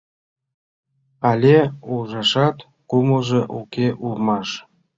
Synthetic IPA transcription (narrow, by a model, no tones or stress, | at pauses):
ɑlʲeulʒɑʃɑt̪ | kumɤʒɤ̆ʔukʲeʔulmɑʃ